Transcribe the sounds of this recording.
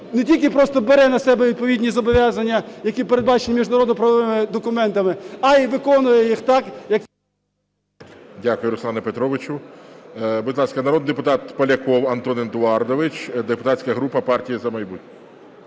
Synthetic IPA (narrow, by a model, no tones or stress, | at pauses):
netʲilʲkɪpɾɔst̪ɔbeɾɛnɐsɛbɛʋʲid̪̚pɔʋʲidʲnʲizɔbɔʋʲjɑzɐnʲːɐjɐkʲipeɾed̪̚bɑt͡ʃenʲmʲiʒnɐɾɔd̪nɔpɾɐʋɔʋɪmɪd̪ɔkʊmɛnt̪ɐmɪɐiʋɪkɔnʊjɛjixt̪ɑkjɐk | dʲakʊjʊɾʊsˠɑnɐpet̪ɾɔʋɪt͡ʃʊ | budʲlˠɑskɐnɐɾɔd̪nid̪epʊt̪ɑt̪pɐlʲɐkɔwɐnt̪ɔnɪnd̪ʊɑrd̪ɔʋɪt͡ʃd̪epʊt̪ɑsʲkɐɐɦɾupɐpɑrtʲijizɐmɐjbut̚ʲnʲɔ